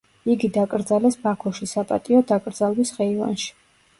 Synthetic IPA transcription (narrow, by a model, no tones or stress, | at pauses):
iɡid̪akʼɾd̪zalɛsbakʰɔʃisapʼat̪ʼiɔd̪akʼɾd̪zalˠbisʁɛiva̰nʃi̥